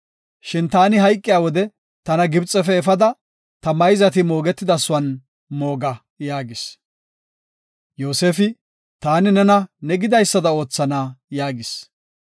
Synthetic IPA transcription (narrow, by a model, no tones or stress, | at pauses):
ʃɪnt̪aːnɪɦɐjkʼːɪjaːwɔd̪ɛ | t̪ɐnɐɡɪbt͡sʼːɛfɛːfɐd̪ɐ | t̪ɐmɐjzɐt̪ɪmo̞ːɡɛt̪ːɪd̪ɐsʊɐn | moːɡɐ | jaːɡɪs | jo̞ːseːfɪ | t̪aːnɪnɛnɐnɛɡɪd̪ɐjsːɐd̪ɐo̞ːt͡sːɐnaːjaːɡɪs